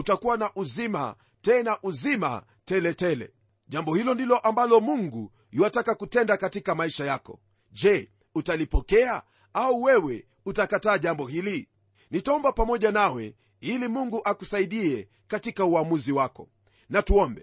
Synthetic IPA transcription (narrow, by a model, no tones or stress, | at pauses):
utakuwanaʔuzima̰ | tɛnaʔuzima̰ | tɛlɛtɛlɛ̰ | ʄambɔhilɔndilɔʔambalɔmuŋɡu | iwatakakutɛndakatikamaiʃajakɔ̰ | ʄɛ | utalipɔkɛa | auwɛwɛ | utakataːʄambɔhili | nitaɔmbapamɔʄanawɛ̰ | ilimuŋɡuʔakusaiɗiɛ | katikauamuziwakɔ | natuɔmbɛ